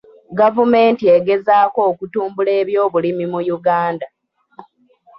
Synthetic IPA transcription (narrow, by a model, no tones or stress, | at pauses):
ɡavume̞ːntieɡe̞zaːko̞ːkutuːmbule̞ːβjo̞ːβulimimujuɡaːnda